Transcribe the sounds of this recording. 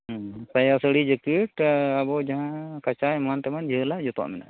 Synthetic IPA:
pajasəɽid͡ʒəkəʈabɔd͡ʒaɦãkat͡ʃajmant̪ɛmand͡ʒəəlad͡ʒɔt̪ɔ̰ʔmɛna̰

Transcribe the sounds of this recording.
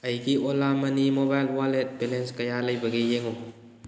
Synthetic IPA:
ɐjɡiʔolamɐnimobajlwalet̚belenskɐjalɐjbɐɡijeŋo

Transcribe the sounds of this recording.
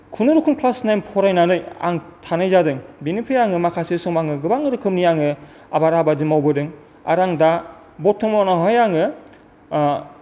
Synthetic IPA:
kʰunɯɾukʰɯŋpʰlasnajmpʰɔɾajnanɯja̰ŋtʰanajzadɯŋbinɯpʰɯjaŋɯmakʰasesɔŋmaŋɯɡɯbaŋɯɾɯkʰɯmniaŋɯ | abaɾabadimawbɯdɯŋ | a̰ɾaŋda | bɔtʰːɔŋmɔnaɦɔjaŋɯ

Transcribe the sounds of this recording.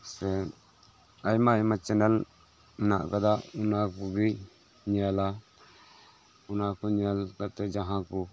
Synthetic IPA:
sɛ | ajmajmat͡ʃɛnɛl | mɛna̰ʔkad̪aʔunakuɡi | ɲiala | unakɔɲialkat̪ɛd͡ʒaɦãku

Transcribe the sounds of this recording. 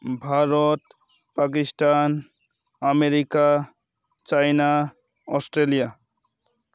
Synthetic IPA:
bʱaɾɔt | pak̬istan | ameɾika | t͡ʃajna | ɔsʈɾelija

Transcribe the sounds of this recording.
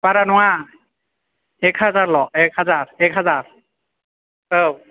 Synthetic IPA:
paɹanʊwa | ɛkhazaɹlɔɛkhazaɹɛkɦazaɹ | ow

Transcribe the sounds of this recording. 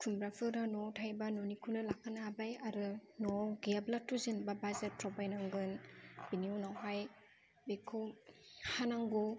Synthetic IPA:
kʰumbɾapʰɯɾanɔwtʰajbanonikʰunɯlakʰanaabajaɾɯnɔɡiablatːuzɯnbabazɯtɾɔbajnaŋɡɯnbiniunawɦaj | bekʰɯwhanaŋɡu

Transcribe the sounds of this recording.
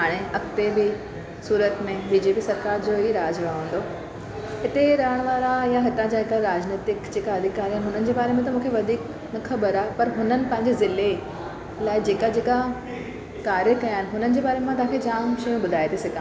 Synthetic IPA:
ɦaːɽ̃eɐkt̪ebɪ | suːɾət̪mẽbiːd͡ʑeːpiːsɐɾkaːɾd͡ʑoːɦiɾaːd͡ʑɾaːɦũːnd̪o | ɦɪt̪eɾɐɦəɽ̃ʋaːɾajaɦɪt̪ãd͡ʑaɦɪkaɾaːd͡ʑnit̪ɪkd͡ʑeːkaɐd̪ʱikːaːɾiaːɪnɪɦʊnənɪ̆d͡ʑeːbaːɾemãt̪ɐmũːkʰeʋɐd̪ʱiːk | nɐxʰɐbəɾaːɦepɐɾɦʊnənɪ̆pɐ̃ɦɪ̃ɲd͡ʑezɪle | laːɪd͡ʑeːkad͡ʑeːka | kaːɾjəkɐjaːɦɪnɪ̆ɦʊnənɪ̆d͡ʑeːbaːɾemãt̪ɐʋãːkʰed͡ʑaːmʃɐjũbʊd̪ʱaːit̪ʰesɪkʰã

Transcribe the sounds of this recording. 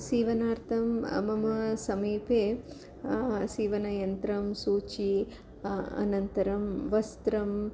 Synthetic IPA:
siːʋɐnaːɾt̪ʰɐmmɐmɐsɐmiːpeː | siːʋɐnɐjɐnt̪ɾɐmsuːt͡ʃi | ɐ̰nɐnt̪ɐɾɐmʋɐst̪ɾɐm

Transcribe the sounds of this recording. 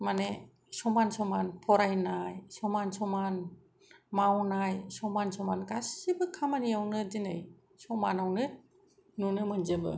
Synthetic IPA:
mane | sɔmansɔmanpʰɔɾajnajsɔmansɔman | mawnajsɔmansɔmanɡasibɯkʰamaniawnɯdinɯj | sɔmanawnɯt̚ | nunɯmɯnzebɯ̰

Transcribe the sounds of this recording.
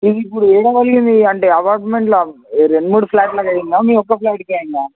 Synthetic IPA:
id̪iːpːuɽueːɽɐʋɐlɡind̪iɐɳʈeːɐpaːɾʈmeɳʈlɾeɳɖumuːɽupʰlaːʈlaːkɐjinɡaːmiːkɔkːɐplaːʈ̚keːjiŋɡaː

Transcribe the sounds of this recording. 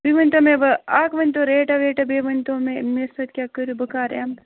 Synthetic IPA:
biʋɐnʲt̪oːmẽbɐaːkʋɐnʲt̪oːɾeːʈɐʋeːʈɐbeːʋɐnʲt̪õːmemesɐt̪̚kʲaːkəɾubɐkaːɾam

